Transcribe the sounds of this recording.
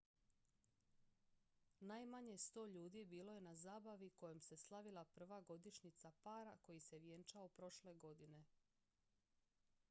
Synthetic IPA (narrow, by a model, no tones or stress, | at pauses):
naːjmaɲe̞st̪o̞ːʎuːd̪ibiːlo̞je̞nazaːbaʋiko̞jemse̞slˠaʋilˠapr̩ʋaɡo̞d̪iʃɲit̪sapaːɾako̞jise̞ʋje̞nt͡ʃaopɾo̞ʃle̞ɡo̞d̪ine̞